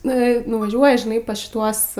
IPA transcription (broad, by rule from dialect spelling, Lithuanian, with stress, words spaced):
ˈnʊ ɪ nʊʋɐˈʒʲuɔjɛ ʒʲɪˈnɐɪ pɐs ʃʲɪˈtuɔs